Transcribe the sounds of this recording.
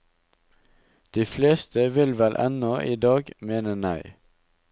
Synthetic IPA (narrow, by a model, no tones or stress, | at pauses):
d̪̥iːfleːst̪ʰəʋɪlʋɛlʔɛ̰nɔʔiːd̪ɑːɡmeːnənæɪ